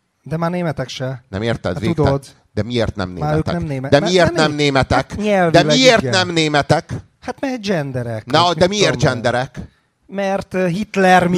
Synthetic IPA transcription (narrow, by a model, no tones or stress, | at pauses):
d̪ɛmaːrneːmɛt̪ɛkʃɛnɛ̰meːrt̪ɛ̰d̪ʋeːukd̪ɛd̪ | d̪ɛmieːrt̪nɛ̰mnḛːmaːø̰ːnɛmneːmɛd̪ɛmieːrt̪nɛmneːmɛt̪ɛkɲɛlvd̪ɛieːrt̪nɛmneːmɛt̪ɛk | hat̪mɛd͡ʒɛnd̪ɛɾɛknɒd̪ɛmieːrtd͡ʒɛnd̪ɛɾɛk | mɛrt̪ɦit̪lɛrm